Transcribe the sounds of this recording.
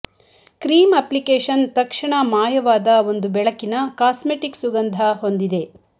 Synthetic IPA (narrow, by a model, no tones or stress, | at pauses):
kɾiːmɐplikeːʃɐnt̪ɐkʂɐɳɐmaːjɐʋaːd̪ɐo̞nd̪ubɛɭɐkːinɐkaːsmeʈiksuɡɐnd̪ʱɐɦo̞nd̪id̪e̞